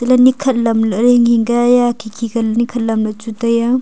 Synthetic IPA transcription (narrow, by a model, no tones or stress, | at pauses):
dɐlɐnikʰɐt̚lɐmlɐɾeŋiŋɡajakʰikʰiɡɐlnikʰɐt̚lɐmnɐt͡ʃutɐja